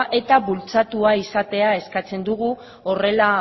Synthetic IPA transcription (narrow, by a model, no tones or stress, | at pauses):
ʔe̞t̪aβult͡sat̪uaisat̪e̞ae̞skat͡se̞nd̪uɣ̞u | o̞re̞la